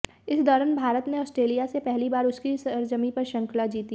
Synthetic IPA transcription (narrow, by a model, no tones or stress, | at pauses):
ɪsd̪ɔːɾənbʱaːɾət̪neɔːsʈɾeːlijasepɛɦlibaːɾʊskisɾd͡ʒəmipɐɾʃɐ̃ŋklad͡ʒiːt̪i